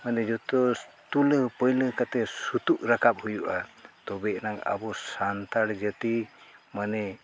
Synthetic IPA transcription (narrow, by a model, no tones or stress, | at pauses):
manɛd͡ʒɔt̪ɔst̪ulpəjləkat̪ɛsut̪uʔɾakʰap̚hujuʔat̪ɔbɛʔnaka̰bɔsant̪aɽd͡ʒət̪imanɛ